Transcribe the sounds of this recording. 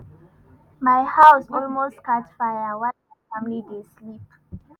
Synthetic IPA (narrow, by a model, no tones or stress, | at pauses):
majhawsɔlmostkat͡ʃfajawa | amlid̪eslip